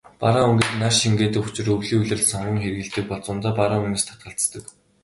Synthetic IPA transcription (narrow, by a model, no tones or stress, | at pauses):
paɾaːuŋɡiːt͡ɕnarʃiŋɡeːt̪ɘ̆kʊ̥t͡ɕɪ̆rɵwɮiːuɮɘ̆rɮsɔɴɢɞ̆ŋxerɣɘ̆ɬt̪ɘ̆k̚pɔɮt͡sʊnt̪aːpaɾaːunĕːst̪ʰḁt̪̚ɢə̆ɬt͡st̪ə̆k